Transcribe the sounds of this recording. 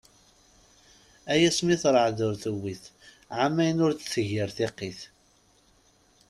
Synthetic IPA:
æjæsmiθɾˤəʕðʊɾθəwːiθ | ʕamːæjənʊɾt͡sθəʝɪɾθeqːiθ

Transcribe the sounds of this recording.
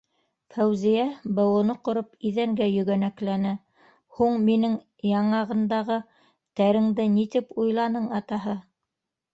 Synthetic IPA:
fæwzijæbɤ̆wɤ̆nɤqŏɾopiðæŋɡæjɵ̆ɡænæklænɘ | huɴminɘŋ | jɑɴɑʁɤ̆nd̪ɑʁɤ | t̪æɾɘ̆ŋd̪ɘnit̪ipujlˠɑnɤɴɑt̪ɑɦɤ

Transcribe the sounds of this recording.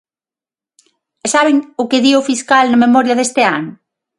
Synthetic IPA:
saβeŋʊkɪðiofiskalnɐmemɔɾjɐðest̪ɪanʊ

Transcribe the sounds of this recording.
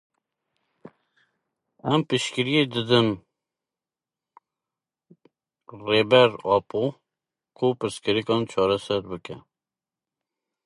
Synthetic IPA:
ɛmpɨʃkiɾijed̪ɨd̪ɨn | reːbɛɾɑpʰo | kʰupɨɾskɨɾikɑːnt͡ʃʰɑːɾɛsɛɾbɨkɛ

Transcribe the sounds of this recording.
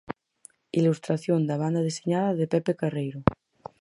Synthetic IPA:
ilust̪ɾaθjond̪aβ̞and̪aðeseɲaðaðepepekarejɾo

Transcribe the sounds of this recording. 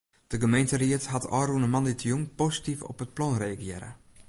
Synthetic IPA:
d̥əɡəmejntəriətɦatɔːɾunəmɑnditʰjuŋpositifɔ̰pət̚plɔnreɡjɛɾə̰

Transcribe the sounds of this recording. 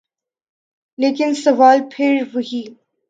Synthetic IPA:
leːkɪnsɐʋaːlpʰɪɾʋʊɦiː

